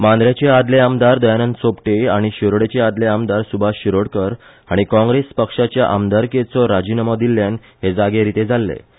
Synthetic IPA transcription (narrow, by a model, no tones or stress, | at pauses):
mãnd̪ɾjat͡ɕead̪leamd̪aɾd̪əjanənsopʈeaɽ̃iɕiɾoɽet͡ɕead̪leamd̪aɾsubʱaɕiɾoɽkəɾ | aɽ̃ikɔ̃ŋɡɾespəkʂat͡ɕjaʔamd̪aɾket͡sɔɾad͡ʑinəmɔd̪ilːjan | ɦed͡zaɡeɾit̪ed͡zʱalːḛ